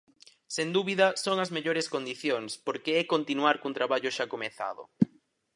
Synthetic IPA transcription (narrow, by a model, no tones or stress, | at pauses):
send̪uβiðɐsoŋɐzmeʎoɾeskond̪iθjoŋspoɾkeɛkont̪inuaɾkunt̪ɾaβaʎʊʃakomeθa̰ðʊ̰